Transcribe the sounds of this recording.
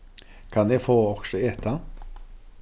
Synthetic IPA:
kʰɑnjɛfoːɔksɔeːt̪a

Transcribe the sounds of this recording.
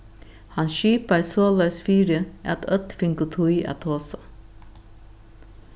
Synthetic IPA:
hɑnʃiːpasoːlœʏsfiːɾəʔɛ̰t̪œt̪fɪŋkʊt̪ʰuɪɛ̰t̪ʰoːsɑ

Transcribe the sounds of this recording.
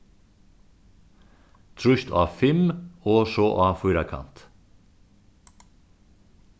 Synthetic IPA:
t̪ʰɾʉçt̪ʰɑ̰ːfɛmoːʃoʔɑːfyːɾakʰɑ̰nt̪

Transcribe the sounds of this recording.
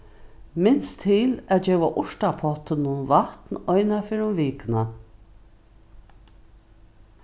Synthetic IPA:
mɪnst̪ʰːɪlæːt̪d͡ʒɛːwaʔʊʂt̪apʰɔt̪ɪnʊnʋaht̪nɔjnafɪɾʊmviːkna

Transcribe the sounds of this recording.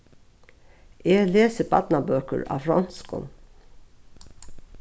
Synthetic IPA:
ʔeːleːsəpʰɑt̪nɑbøːkə̰ɹɑ̰ːfɾɔnskɔ̰n

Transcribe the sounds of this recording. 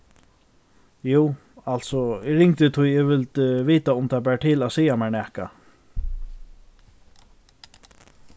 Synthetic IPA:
juː | alt̪sɔɪɹɪŋt̪ɪt̪ʰʊjɛʋɪlt̪ʋiːt̪aʊmt̪ʰap̬ɛːʈ̪ʰɪlasiːjamɛɳɛhka̰

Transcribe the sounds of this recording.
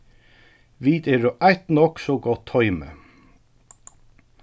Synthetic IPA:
ʋiːt̪eɾoːʔæɪt̪nɔksɔɡɔt̪ʰɔʏmə̰

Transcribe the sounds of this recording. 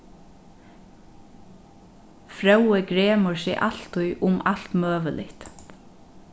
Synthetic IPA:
fɾœwəɡɾeːməɹsɛʔaɬt̪ʰʊjʔʊmalt̪møːʋəlʔɪ̰ht̪

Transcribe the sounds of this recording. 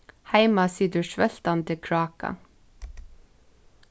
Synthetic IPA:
hæɪmɑsiːd̪ʉʃʋɛl̥t̪ɑnt̪ɪkʰɹɑːkɑ̰

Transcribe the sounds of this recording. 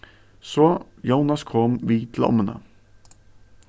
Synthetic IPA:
sɔːjɑʊnɑskʰɔmʋiːt̪ʰlɔ̰mənə̰

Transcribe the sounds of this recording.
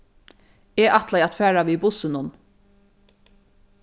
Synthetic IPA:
eːʔat̪lajat̪fæːɹaʋibʊsɪnʊn

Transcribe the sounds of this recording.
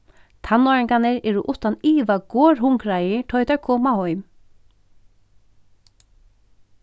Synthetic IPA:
t̪ʰanɔɹɪŋkanɛɹɛɾuʔʊht̪aniːʋaɡoːɹɦʊŋkɾajɪtʰɔjt̪aɹkʰɔːmahɔʏm

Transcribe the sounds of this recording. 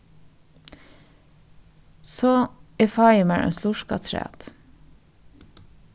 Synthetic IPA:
soːefɑjɪmæːɹʔḛnsluʃkɑ̰t̪ʰɾæ̰ːt̪

